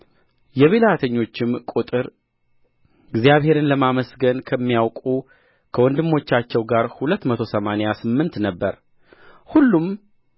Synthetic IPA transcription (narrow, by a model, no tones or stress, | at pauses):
jɛβelat̪ʰəɲːo̞t͡ʃːɪmkʼut̪ʼɨɾ | ɪɡzijaβhe̞ɾɨnləmaməsɡənkʰəmːijawkʼu | kʰəwɔnd̪ɨmːo̞t͡ʃːat͡ʃːɛwɡaɾhulət̪ːmət̪ʰo̞səmanejasɨmːɨnt̪nəbːəɾ | hulːum